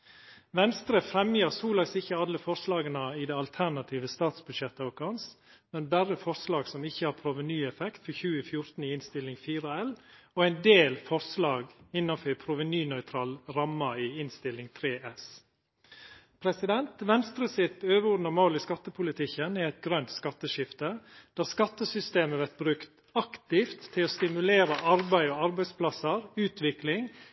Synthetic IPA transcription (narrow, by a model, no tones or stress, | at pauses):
ʋɛnst̪ɾəfɾɛmjəɾsuːlɑɡsɪçːəɑlːəfɔɾslɑːɡənəɪd̪ɛɑlt̪ʰæɾnɑt̪ʰiːʋəst̪ɑːt̪sbʉd̪ʃɛt̪ːəɔkʰɑns | mɛnbæɾəfɔɾslɑːɡsɔmɪçːəhɑːɾpʰɾʊʋənyːɛfɛkt̪fɔçʉːəfjʊɾt̪n̩ɪɪnst̪ɪlɪŋfiːɾəɛl | ɔæɪnd̪eːlfɔɾslɑːɡɪnːɑfœɾpʰɾʊʋənyːnœʏt̪ʰɾɑːlɾɑmːɑiːɪnst̪ɪlːɪŋt̪ʰɾeːʔɛs | pʰɾɛsɪd̪ɛnt̪ʋɛnst̪ɾəsɪt̪øːʋəɔd̪nɑmoːlɪskɑt̪ːəpʰʊlɪt̪ʰɪkːənɛɾɛɪt̪̚ɡɾœnt̪skɑt̪ːəʃɪft̪əd̪̥æːskɑt̪ːəsʏst̪eːməʋæɾt̪̚bɾʉkt̪ | ɑkt̪ɪft̪ʰːɪloːst̪ɪmʉleːɾəʔɑɾbæɪɔɑɾbæɪspʰlɑsəɾʉːt̪ʰʋɪklɪŋ